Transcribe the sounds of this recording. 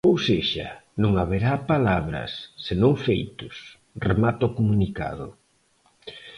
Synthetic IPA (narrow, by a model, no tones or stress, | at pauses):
owseʃɐ̰nũŋaβeɾapalaβɾɐ̰sːenõŋfejt̪ʊs | remat̪okomunika̰ðʊ̰